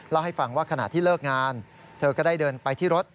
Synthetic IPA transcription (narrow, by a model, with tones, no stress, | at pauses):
lɛ˦˥wha˥˩jfa˧ŋwaː˥˩kʰa˧na̰˨˩t̪ʰːiː˥˩lɤː˥˩k̚ŋaː˧n | t̪ʰɤː˧kɔː˥˩daː˥˩jdɤː˧npa˧jt̪ʰiː˥˩ɾo˦˥t̪̚